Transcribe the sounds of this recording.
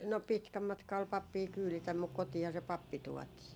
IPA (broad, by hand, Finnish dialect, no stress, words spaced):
no pitkæ mɑtkɑ ol pɑpːiː kyːlitæm muk kotiːhɑ se pɑpːi tuɔtiː